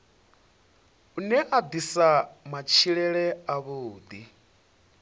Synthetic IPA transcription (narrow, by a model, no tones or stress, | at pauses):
unɛʔad̪isamat͡ʃʰiɺɛɺɛaβoːd̪i